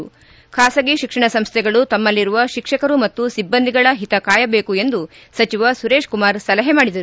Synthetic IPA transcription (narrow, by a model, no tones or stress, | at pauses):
kʰaːsɐɡiʃikʂɐɳɐsɐmst̪ʰɛɡɐɭut̪ɐmːɐlːiɾuʋɐʃikʂɐkɐɾumɐt̪ːusibːɐnd̪ʱiɡɐɭɐɦit̪ɐkaːjɐbeːkuend̪u | sɐt͡ʃiʋɐsuɾe̞ːʂkumaːɾsɐlɐɦɛmaːɽid̪ɐɾu